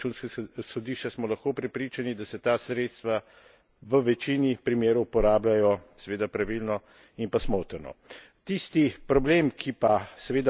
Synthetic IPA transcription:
t͡ʃunskasɔd̪iʃt͡ʃasmɔlaxkoːpɾɛpɾit͡ʃanid̪asɛt̪asɾeːt̪st̪ʋa | ʋəʋɛt͡ʃinipɾimeːɾɔwpɔɾaːblʲajɔsɛʋeːd̪apɾaʋilnɔ | inpasmoːt̪əɾnɔ̰ | t̪ist̪ipɾɔbleːmkʰipasɛʋeːd̪a

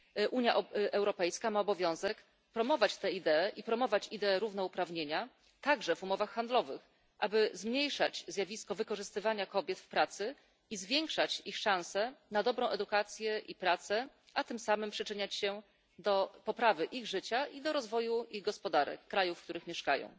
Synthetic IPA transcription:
ʔuɲjaʔɛwɾɔpɛjskamaɔbɔvʲjɔ̃w̃zɛk | pɾɔmɔvat͡ɕt̪ɛid̪ɛɛʔipɾɔmɔvat͡ɕid̪ɛːɾuvnɔupɾavɲeɲa | t̪aɡʐɛvumɔvaxːand̪lɔvɘx | ʔabɘzmɲejʂat͡ɕzjavʲiskɔvɘkɔʐɘst̪ɘvaɲakɔbʲjɛt̪fpɾat̪sɘ | izvʲjeŋkʂat͡ɕixʂãw̃sɛnad̪ɔbɾɔ̃w̃ʔɛd̪ukat̪sʲjɛʔipɾat̪sɛ | ʔat̪ɘmsamɘmpʂɘt͡ʂɘɲat͡ɕɕɛ | d̪ɔpɔpɾavɘʔiɣʐɘt͡ɕaʔid̪ɔɾɔzvɔjuiɣɡɔspɔd̪aɾɛ̰kːɾajufkt̪uɾɘxmʲɛʂkajɔ̰̃w̃

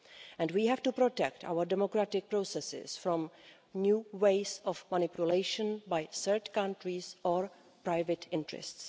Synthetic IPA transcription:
ʔɛ̃ndwiːɦɛftupɾotɛk̚ta̰wəɾdɛmokɾatɪk̚pɾosɛsɪ̰sfɾɔ̃m | njuːweɪsɔfmanɪpjuleɪʃə̃nbajsəɹtkãntɾisʔɔɹ | pɾajvɛtʰɪ̃ntɹɛ̰sts

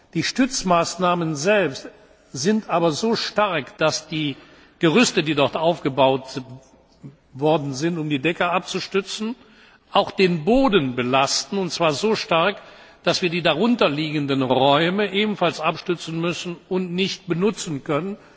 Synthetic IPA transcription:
d̥iːʃtʏt͡smaːsnaːmənzɛlpst | z̥ɪntʔaːbɐzoːʃtaɐkd̥asd̥iː | ɡ̥əʁʏstədiːdɔʁtʔaʊfɡ̥əbaʊt | vɔɐdn̩zɪntʊmdiːdɛkɐʔap̚t͡suʃtʏt͡sn̩ | ʔaʊxd̥eːnboːdən̩bəlastn̩ʊntt͡sv̥aːɐzoːʃtaɐk | d̥asv̥iːɐdiːdaʁʊntɐliːɡən̩dənʁɔʏməʔeːbm̩falsʔapʃtʏt͡sn̩mʏsn̩ʊntnɪçt̚b̥ənʊt͡sn̩kœnən

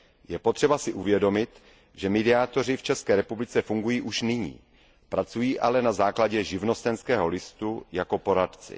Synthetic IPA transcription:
jɛpot̪r̥ɛbasɪʔuvjɛdo̞mɪt̪ | ʒɛmɛdɪaːt̪o̞r̝ɪft͡ʃɛskɛːɾɛpublɪt͡sɛfuŋɡujiːʔuʃnɪɲḭː | pɾat͡sujiːʔalɛnazaːklaɟɛʒɪvno̞st̪ɛnskɛːɦo̞lɪst̪ujako̞po̞ɾat̪t͡sɪ̰

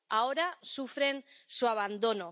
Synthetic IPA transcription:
aoɾasufɾe̞nsuaβand̪o̞no

